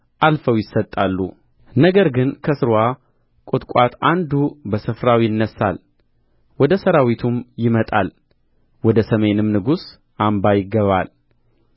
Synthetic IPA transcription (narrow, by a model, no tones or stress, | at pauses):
ʔalfəwjɪsːət̪ʼːalːṵ | nəɡəɾɡɨnkʰəsɨɾwa | kʼʊt̪ʼkʼat̪and̪ubəsɨfɾawjɪnːəsːa̰l | wɔd̪əsəɾawit̪ʰumjɪmət̪ʼa̰l | wɔd̪əsəme̞nɨmnɨɡus | ʔambajɪɡːəβa̰l